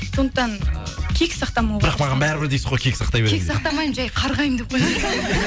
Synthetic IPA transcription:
sond̪əq̚t̪ɑn | kʲʰekʲsɑqt̪ɑmɑwbɪɾɑqmɑʁɑnbæɾɪbɪɾd̪ejsɪzʁojkʰʲe̞kʲɪ̥sɑqt̪ɑjbeɾekʲsɑq̚t̪ɑmɑjmʒæjqʰɑɾʁɑjəmd̪ep̚qoj

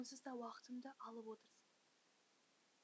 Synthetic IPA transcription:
səzd̪ɑwɑqə̥t̪əmd̪ɑʔɑlˠəpwo̞t̪əɾsəz

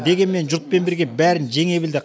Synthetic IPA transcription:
d̪e̞ɡʲenme̞nʒʊɾt̪̚pe̞nbɪɾɡʲe̞bæɾɪnʒe̞ŋe̞bɪld̪ɪ

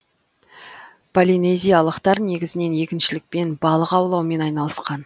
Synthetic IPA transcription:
pʰolʲinejzʲijɑlˠəqt̪ɑɾne̞ɡʲɪzɪne̞nje̞kʲɪnʃɪlɪk̚pe̞nbɑlˠəqɑwlˠɑwme̞nɑjnɑlˠəsqɑn

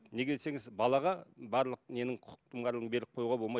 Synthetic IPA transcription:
ne̞ɡʲeese̞ŋɪzbɑlˠɑʁɑbɑɾlˠəq̚ne̞nɪŋqʰʊ̥t̪ʰəmʁɑɾlˠəʁəɴbe̞ɾlɪp̚qʰo̞juʁɑbo̞lˠmɑj

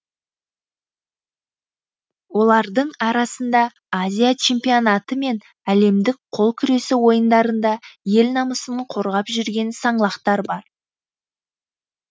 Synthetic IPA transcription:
wo̞lˠɑɾd̪əɴɑɾɑsənd̪ɑ | azʲijat͡ʃʰe̞mpio̞nat̪əme̞n | æle̞md̪ɪk̚qʰo̞lˠkʲʰʏɾe̞sɪwo̞jənd̪ɑɾənd̪ɑje̞lnɑməsəɴqʰo̞ɾʁɑpʒʏɾɡʲe̞nsɑɴlˠɑqt̪ɑɾbɑɾ

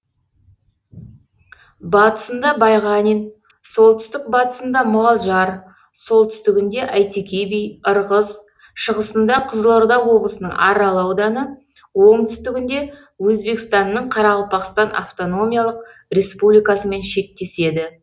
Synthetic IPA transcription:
bɑt̪ə̥sənd̪ɑbɑjʁɑnijn | so̞lˠt̪ʰʏst̪ɪk̚bɑt̪ə̥sənd̪ɑmʊʁɑlˠʒɑɾ | so̞lˠt̪ʰʏst̪ɪɡʲɪnd̪e̞ʔæjt̪ekʲijbijəɾʁəz | ʃəʁəsənd̪ɑqʰəzəlˠoɾd̪ɑwwo̞blˠəsənə̰ŋɑɾɑlˠɑwd̪ɑnə | wo̞ɴt̪ʰʏst̪ɪɡʲɪnd̪e̞ | wɵzbe̞kst̪ɑnːəɴqʰɑɾɑʁəlˠpʰɑqst̪ɑnʔa̰ft̪o̞no̞mʲijalˠəqre̞spublʲijkɑsəme̞nʃe̞k̚t̪e̞se̞d̪ɪ

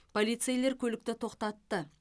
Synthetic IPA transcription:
pʰo̞lijt̪sejle̞ɾkʲʰɵlɪk̚t̪ɪt̪ʰo̞qt̪ɑt̪ːə

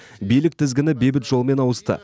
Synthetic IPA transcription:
bijlɪk̚t̪ʰɪzɡʲɪnɪbe̞bɪt̪ʒo̞lˠəme̞nɑwəst̪ə̰

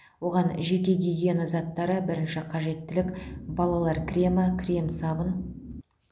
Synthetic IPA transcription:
wo̞ʁɑnʒe̞kʲe̞ɡ̪ʲejɡʲe̞nɪzɑt̪ːɑɾəbɪɾɪnʃɪqʰɑʒe̞t̪ːɪlɪkbɑlˠɑlˠɑɾkʲʰrʲemakʲʰɾʲe̞msɑbən

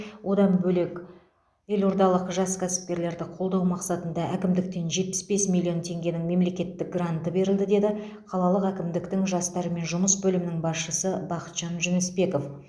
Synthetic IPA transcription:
wʔo̞d̪ɑnbɵlek | e̞lo̞ɾd̪ɑlˠəqʒɑskʲʰæsɪ̥p̚kʲe̞ɾle̞ɾd̪ɪqʰolˠd̪ɑwmɑqsɑt̪ənd̪ɑʔækʲɪmd̪ɪk̚t̪e̞nʒe̞t̪̚pɪ̥sbe̞smilʲːio̞nt̪ʰe̞ŋɡʲe̞nɪŋme̞mle̞kʲe̞t̪ːɪk̚ɡrant̪əbe̞ɾɪld̪ɪd̪e̞d̪ɪ | qʰɑlˠɑlˠəqækʲɪmd̪ɪkt̪ɪŋʒɑst̪ɑɾəme̞nʒʊməsbɵlɪmɪnɪŋbɑsʃəsəbɑqə̥t̪ʒ̥ɑnʒʏnɪspe̞ko̞f

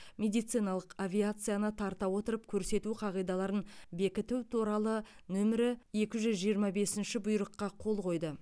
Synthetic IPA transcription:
mʲe̞d̪ijt̪sɨjnɑlˠəqavʲijat̪sɨjanət̪ʰɑɾt̪ɑwo̞t̪əɾəpkʲʰɵɾse̞t̪uqʰɑʁijd̪ɑlˠɑɾənbe̞kʲɪt̪uwt̪ʰuɾɑlˠənɵmɪɾɪe̞kʲɪʒʏzʒijəɾmɑbe̞sɪnʃɪbʊjɾəqːɑqʰo̞lˠqʰo̞jd̪ə

